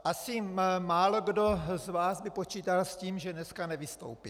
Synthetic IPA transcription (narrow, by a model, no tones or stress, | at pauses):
ʔasɪmaːloɡdozvaːzbɪpot͡ʃiːt̪alsciːmʒɛnɛskanɛvɪst̪o̰wpi